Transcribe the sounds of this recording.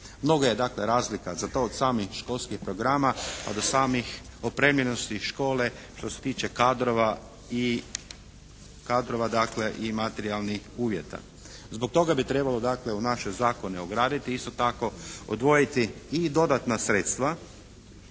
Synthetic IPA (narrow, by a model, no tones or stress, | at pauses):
mno̞ɡoje̞d̪akle̞ɾaːzlikazat̪o̞ːd̪saːmixʃko̞lˠskixpɾo̞ɡɾamapa̰d̪o̞saːmixopɾe̞mlʲeno̞st̪iʃko̞ːle̞ | ʃt̪o̞set̪iːt͡ʃekad̪ɾoʋa | i | kad̪ɾo̞ʋad̪akle̞ʔimat̪eɾialˠnixuːʋjet̪a̰ | zbok̚t̪o̞ɡabit̪ɾe̞balo̞d̪akle̞unaʃezaːko̞neoɡɾaːd̪it̪iist̪o̞t̪ako̞o̰d̪ʋo̞jit̪iːd̪o̞d̪at̪nasɾeːt̪st̪ʋa